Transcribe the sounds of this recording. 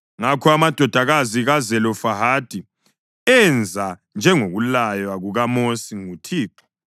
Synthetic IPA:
ŋakʰɔamad̥ʱɔd̥ʱaɣaziɣazɛlɔfaɦad̥ʱi | ɛnd͡zʱand͡ʒʱɛŋoɣulajwaɣuɣamosiŋutʰiːǁɔ̥

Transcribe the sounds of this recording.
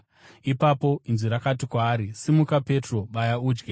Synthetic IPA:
ipapo̞inziɾakat̬ikwaːɾisimukape̞tro̞ɓajauːd͡ʒɡe

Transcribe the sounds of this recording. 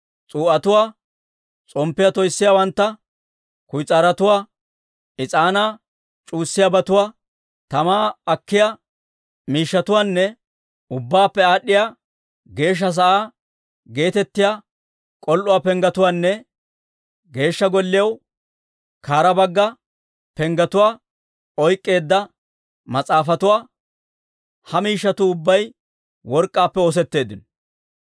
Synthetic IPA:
t͡sʼuːʔɐt̪ʊwaː | t͡sʼɔmpːɪjɐt̪ɔjsːɪjawɐnt̪ːɐ | kʊjt͡sʼaːɾɐt̪ʊwaː | ɪt͡sʼaːnaː | t͡ʃʼuːsːɪjabɐt̪ʊwaː | t̪ɐmaːɐkːɪjaː | miːʃːɐt̪ʊwaːnːɛ | ʊbːaːpːɛaːɗːɪjaː | ɡe̞ːʃ̬ːɐs̬ɐʔaː | ɡe̞ːt̪ɛt̪ːɪjaː | kʼɔlʔʊwaːpɛŋɡɐt̪ʊwaːnːɛ | ɡe̞ːʃːɐɡɔlːɪjɐw | kaːɾɐbɐɡːɐ | pɛŋɡɐt̪ʊwaː | ɔjkʼːe̞ːd̪ːɐ | mɐt͡sʼaːfɐt̪ʊwaː | hɐmiːʃːɐt̪ʊʊbːɐj | wɔɾkʼːaːpːɛoːs̬ɛt̪ːe̞ːd̪ːɪnɔ

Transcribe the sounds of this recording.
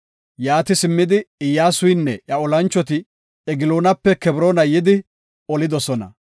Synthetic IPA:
jaːt̪ɪsɪmːɪd̪ɪɪjːaːsʊjnːɛʔjɐɔlɐnt͡ʃːɔt̪ɪ | ɛɡɪloːnɐpːɛkɛbɾoːnɐjɪd̪ɪ | ɔlɪd̪ɔsɔnɐ̰

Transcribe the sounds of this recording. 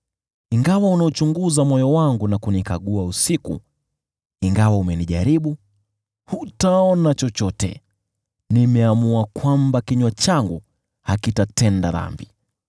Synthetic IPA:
iŋɡawaunaut͡ʃuŋɡuzamɔjɔwaŋɡunakunika̰ɠuausikṵ | iŋɡawaumɛniʄaɾiɓu | hutaɔnat͡ʃɔt͡ʃɔtɛ̰ | nimɛamuakwambakiɲwat͡ʃaŋɡu | hakitatɛndaða̰mbi

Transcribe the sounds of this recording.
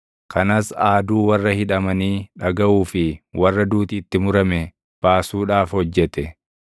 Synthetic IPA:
kʰɐnɐsaːd̪uːwɐrːɐhɪᶑɐmɐniːᶑɐɡɐʔuːfɪwɐrːɐd̪uːt̪iːt̪ːɪmʊɾɐmɛ | b̥aːsuːᶑaːfhɔd͡ʒːɛt̪ɛ

